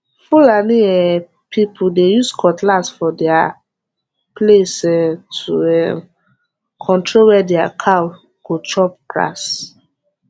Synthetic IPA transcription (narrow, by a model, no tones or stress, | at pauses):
fulaniɛ | pʰipʰudejuskʰɔtlasfɔdɛa | plesɛtʰuɛ | kʰɔ̃ntɹolwɛdɛakʰa | ɡ̥ot͡ʃɔp̚kɹa̰s